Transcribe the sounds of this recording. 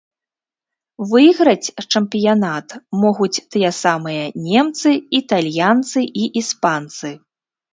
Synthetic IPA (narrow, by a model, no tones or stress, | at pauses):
vɨjɣɾɐt͡sʲt͡ʂɐmpʲijanat̪mɔɣut͡sʲt̪ɨjɛsamɨjɐnʲɛmt̪sɨit̪alʲjant̪sɨʔiʔispant̪sɨ